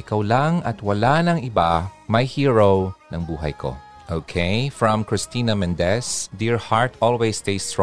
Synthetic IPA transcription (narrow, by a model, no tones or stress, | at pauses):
ʔɪkawlaŋɐt̪wɐlanɐŋɪbamɐjhiɹownɐŋbuːɦɐ̰jkʰo̰ | ʔowkʰeɪfɹɐ̃mkɹɪst̪iːnɐmɛ̃nd̪ɛsd̪iɹhaɹt̪ɔlwest̪ejst̪ɹ